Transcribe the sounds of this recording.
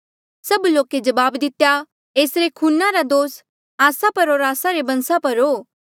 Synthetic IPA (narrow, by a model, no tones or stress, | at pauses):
sɐbloːked͡ʒɐbaːbd̪ɪt̪ja | eːsɾekʰuːnaɾad̪oːs | aːsapɐɾɦoːɾaːsaɾebɐ̃nsapɐɾɦoː